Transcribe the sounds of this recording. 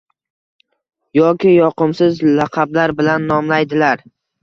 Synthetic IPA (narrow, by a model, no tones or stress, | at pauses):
jɒkʲɪjɒqɨmsɪzlɑqʰɑblaɾbɪlanːɒmlajd̪ɪlaɾ